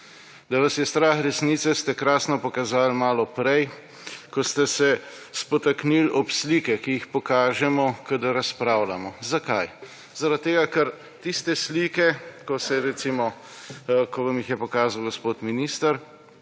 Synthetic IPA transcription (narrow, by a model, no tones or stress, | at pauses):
d̪aʋasjɛst̪ɾaːxɾɛsniːt̪sɛst̪ɛkɾaːsnɔpɔkazaːlmaːlɔpɾɛj | kɔst̪ɛsɛ | spɔt̪aknilɔpslikɛkijixpɔkaːʒɛmɔkad̪aɾaspɾaːwlamɔzakaj | zaɾat̪̚t̪ːeːɡakɐɾ | t̪ist̪ɛslikɛkɔsɛɾɛt̪simɔ | kɔʋamjixjɛpɔkaːzawɡɔspoːt̪miniːst̪əɾ